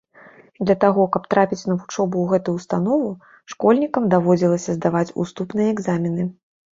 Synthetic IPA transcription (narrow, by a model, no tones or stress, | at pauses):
d̪lʲɐt̪aɣɔkɐp̚t̪ɾapʲit͡sʲnɐvut͡ʂɔbuːɣɛt̪ujust̪anɔvu | ʂkɔlʲnʲikɐmd̪avɔd͡zʲilˠɐsʲɐzd̪avat͡sʲṵst̪upnɨjɐɛɡzamʲinɨ